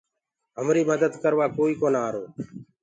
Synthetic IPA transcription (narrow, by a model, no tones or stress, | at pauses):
ɦəmɾiːməd̪əd̪kəɾʋaːkoːiːkoːnaːɾoː